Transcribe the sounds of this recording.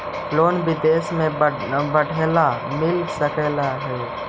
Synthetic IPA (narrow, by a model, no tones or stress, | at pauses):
pʰloːnbɪd̪eːsmẽ | bəɽʱelamɪlsəkɛlaɦɛː